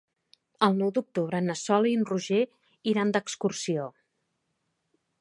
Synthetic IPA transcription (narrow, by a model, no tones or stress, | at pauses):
əlˠnɔwd̪uk̚t̪uβ̞ɾənəsɔlinruʒe | iɾand̪əkskursio